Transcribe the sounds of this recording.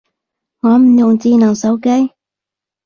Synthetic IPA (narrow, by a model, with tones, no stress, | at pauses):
ŋɔː˨˧˥m̩˨˩jʊ˨˩ŋt͡siː˧nɐ˨˩ŋso˨˥wke˥j